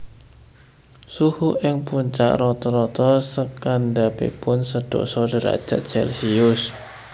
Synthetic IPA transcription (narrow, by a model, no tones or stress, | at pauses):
suhuʔɪŋpuɲt͡ʃa̰ʔɾɔt̪ɔɾɔt̪ɔsəkandabḛpʊnsəɖ̥ɔ̰sɔdəɾa̰d̥ʒ̥a̤t̪̚t͡ʃɛlsiʊs